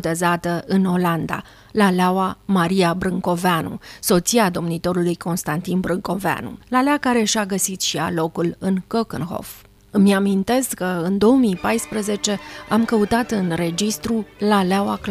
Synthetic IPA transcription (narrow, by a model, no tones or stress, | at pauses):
t̪e̞zat̪əʔɨno̞land̪a̰ | laleawamaɾiabɾɨŋko̞veanṵso̞t̪siad̪o̞mnit̪o̞ɾulujko̞nst̪ant̪inbɾɨŋko̞vea̰nṵlaleakaɾe̞ʃaɡəsit̪ʃia̰lo̞kulɨnkokənɦo̞̰f | ɨmamint̪e̞skəɨnd̪o̞omijpajspɾəze̞t͡ʃe̞amkəut̪at̪ɨnre̞d͡ʒist̪ɾulaleawak